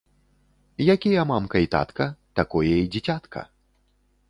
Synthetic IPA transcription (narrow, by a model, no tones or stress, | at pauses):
jakʲijɐmamkɐit̪a̰t̪kɐt̪akɔjɐid͡zʲit͡sʲat̪kʰɐ̰